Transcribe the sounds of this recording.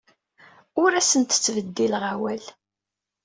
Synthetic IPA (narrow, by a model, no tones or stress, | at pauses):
ʊɾæsənt̪ə̥t͡sːvəd̪ːilʁawæl